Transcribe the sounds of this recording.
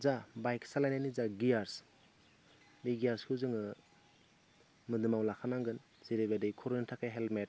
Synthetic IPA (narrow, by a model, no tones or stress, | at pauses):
zabajksalajnajnizaɡijaɾs | biɡijaɾskʰɯzɯŋɯ | mɯdɯmawlakʰanaŋɡɯn | ziɾebadɯjkʰɔɾuntʰakajɦelmet̚